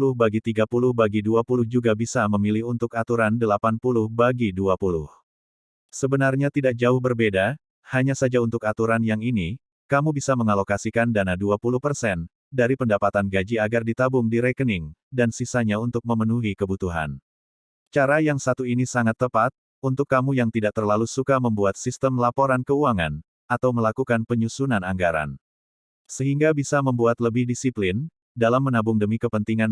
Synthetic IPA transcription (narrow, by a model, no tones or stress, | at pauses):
lʊhbaɡit̪iɡapulʊhbaɡiduapulʊhd͡ʒuɡabisaməmilihunt̪ʊkat̪uɾandəlapanpulʊhbaɡiduapulʊ̰h | səbənarɲat̪idak̚d͡ʒaʊhbərbeda | haɲasad͡ʒaunt̪ʊkat̪uɾanjaŋini | kamubisaməŋalokasikandanaduapulʊhpərsɛn | daɾipəndapat̪anɡad͡ʒiaɡardit̪abʊŋdiɾekənɪŋdansisaɲaunt̪ʊk̚məmənuɦikəbut̪uɦa̰n | t͡ʃaɾajaŋsat̪uinisaŋat̪ːəpat̪̚ | unt̪ʊkːamujaŋt̪idaʔ̚t̪ərlalusukaməmbuat̪̚sist̪əmlapoɾankəuaŋan | at̪awməlakukanpəɲusunanaŋɡaɾa̰n | səɦiŋɡabisaməmbuat̪ləbɪhdisiplɪn | dalamːənabʊŋdəmikəpənt̪iŋan